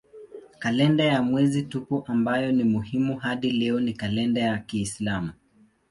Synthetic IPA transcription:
kalɛndajamwɛzitupuʔambajɔnimuhimuɦaɗilɛɔnikalɛndajakiːslamu

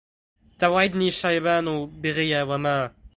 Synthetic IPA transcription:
t̪awajd̪niʃajβanubeʁejawama

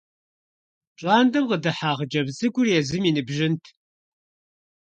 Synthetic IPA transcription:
t͡ʃʼaːndɐmqədɨħaːʁəd͡ʒɐbzɨɡʷʊrjɛzɨmiːnɨbʒɪntʰ

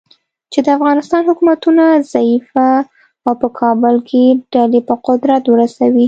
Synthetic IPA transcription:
t͡ʃed̪əafɣɑnɪst̪ɑnhʊkumat̪unazaifaː | wpəkʰɑbəlkʰeɖ̥alepəqʊd̪ɾat̪wəɾasawi

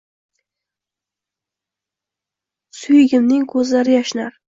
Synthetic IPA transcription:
sʊjɪɡʲɪmnɪŋkʰɵzlaɾɪjaʃɪnaɾ

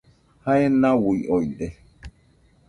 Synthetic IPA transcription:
hajɛnːawujɔjɗɛ

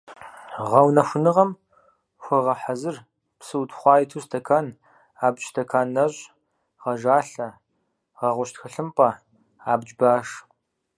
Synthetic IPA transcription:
ʁɐwnɐxʷʊnɨʁɐm | xʷɐʁɐħazɨr | psɨwtχʷɑːjtʰustʰɐkʰan | aːbɕstʰɐkʰaːnːɐʑʼ | ʁɐʒaːɬɐ | ʁɐʁʷʊʃtxɨɬɨmpʼɐ | aːbd͡ʒbaːʂ

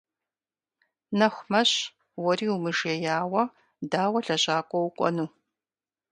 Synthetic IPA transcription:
nɐxʷmɐɕ | wɔriːwʊmɨʒɛjaːwɐ | daːwɐɬɐɕʼaːkʷʼɔwʊkʷʼɔ̰nuː

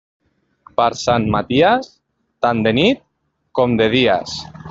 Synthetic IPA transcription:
paɾsanmat̪ias | t̪and̪enit̪̚ | komd̪eð̞ia̰s

